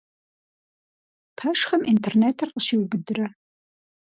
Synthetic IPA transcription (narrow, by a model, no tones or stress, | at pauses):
pʰɐʂxɐmʔintʰerneːtʰɨrqəɕiːwbɨdɨrɐ